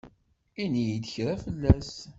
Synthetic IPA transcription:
inijid̪əçɾæfəlːæs

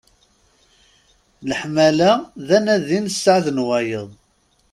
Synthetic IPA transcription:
ləħmælæðænæðinəsːəʕðnwæjəðˤ

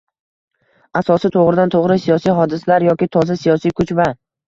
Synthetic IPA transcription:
asɒsɪt̪ʰoʁɾɪd̪ant̪ʰoʁɾɪsijɒsijɦɒd̪ɪsalaɾjɒkʲɪt̪ʰɒzasijɒsijkʰʊt͡ʃva

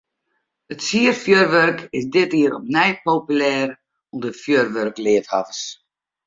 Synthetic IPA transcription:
ətsiərfjørʋørkɪsdɪtiːəɾɔpnɛjpowpylɛːɾ | umdəfjørʋørklɪəthavəs

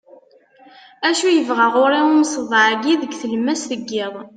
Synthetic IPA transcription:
æʃujəvʁaʁʊɾiʊmsˤəðˤʕɡiðəɡθəlmːæsθəɡːɪðˤ

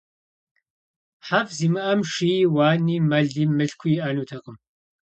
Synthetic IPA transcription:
ħafziːmɨʔɐmʂijwaːniːmɐɮiːmɨɬkʷʰʊjiʔɐnuːtʰɐqəm

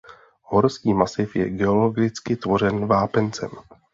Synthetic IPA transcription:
ɦo̞ɾskiːmasɪfjɛ̰ɡɛo̞lo̞ɡɪt͡skɪt̪vo̞r̝ɛnvaːpɛnt͡sɛ̰m

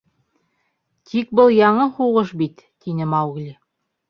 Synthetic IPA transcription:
t̪ʰik̚bɤlˠjɑɴɤhuʁɤʃbit̪ːinɘmɑwɣlʲi

